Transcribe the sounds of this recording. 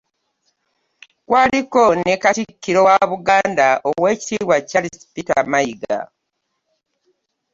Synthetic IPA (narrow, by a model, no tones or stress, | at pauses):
kwaːliko̞nekatikːiɾo̞waβuɡaːndaʔowe̞ːci̥tiːβwacalispita̰maiɡa̰